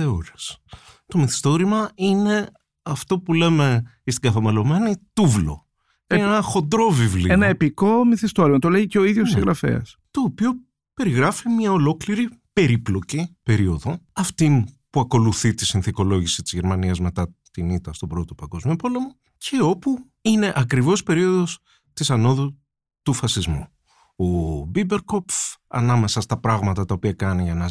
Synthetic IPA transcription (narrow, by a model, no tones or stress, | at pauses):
θeoɾest̪o̞miθi̥st̪o̞ɾimɐine̞ | ɐft̪o̞pule̞me̞ | ist̪iɡɐθɐmelo̞menit̪uvlo̞̰ | enɐxo̞nd̪ɾo̞vivlḭenɐepiko̞miθist̪oɾimɐt̪o̞leiceoiðʝossiɣɾɐfḛɐ̰st̪o̞ːpio̞ | pe̞ɾiɣɾɐfimɲɐo̞lo̞kliɾipe̞ɾiplo̞cipe̞ɾio̞ðo̞ɐft̪inpuɐko̞luθit̪isinθiko̞lo̞ʝisi̥t̪izʝeɾmɐniɐzme̞t̪ɐt̪init̪ɐst̪o̞bɾo̞t̪opɐŋɡo̞zmio̞po̞le̞mo | cʰe̞o̞pu | ine̞ʔɐkɾivo̞spe̞ɾio̞ðo̞s | t̪isɐno̞ðu | t̪ufɐsizmu | obibe̞ɾko̞pfɐ̰nɐme̞sɐst̪ɐpɾɐɣmɐt̪ɐt̪ɐopiɐkɐniʝɐnɐ